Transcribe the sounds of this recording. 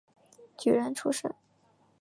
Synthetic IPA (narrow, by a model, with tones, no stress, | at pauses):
t͡ɕy˨˩˥ɻə˧˥nʈ͡ʂʰu˥ʂə̰˥˩n